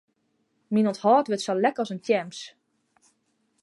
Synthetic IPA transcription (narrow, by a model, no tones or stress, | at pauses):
minɔthɔːtʋɪtsɔlɛkəɔsəntjɛms